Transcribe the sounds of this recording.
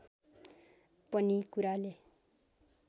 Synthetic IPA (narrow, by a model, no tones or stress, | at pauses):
pʌnikuɾale